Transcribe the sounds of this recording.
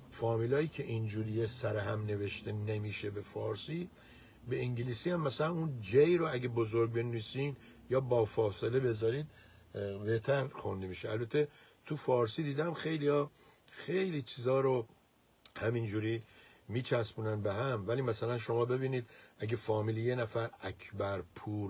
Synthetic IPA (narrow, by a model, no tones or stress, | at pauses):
fɒːmiːlɒːjiːcʰe̞ʔind͡ʒuːɾijesæɾeɦæmne̞ve̞ʃt̪enemiːʃebefɒːɾsi | be̞iŋɟeliːsiːhæmːæsælænund͡ʒejɾoæɟebozoɾɡ̚be̞nviːsin | jɒːbɒːfɒːselebe̞zɒːɾiːd̪ | be̞ht̪ʰæɾxond̪emiːʃeælbæt̪ʰːe̞ | t̪ʰufɒːɾsiːd̪iːd̪æmxe̞jlijɒː | xe̞jliːt͡ʃʰiːzɒːɾo | hæmind͡ʒuːɾiː | miːt͡ʃʰæsbuːnænbeɦæmvæliːmæsælænʃo̞mɒːbe̞biːniːd̪æɟefɒːmiːljenæfæɾækʰbæɾpʰuːɾ